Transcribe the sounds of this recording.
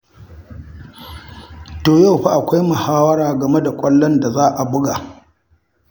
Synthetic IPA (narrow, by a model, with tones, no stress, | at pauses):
toː˨ja˦˨ɸa˦ʔa˨kʷa˦jmʊ˨haː˦wɐ˦ɽaː˨ɡɐ˨me˦da˨kʷʼɐ˦lːɔ˦nda˨zaː˦ʔa˨bʊ˦ɡa˨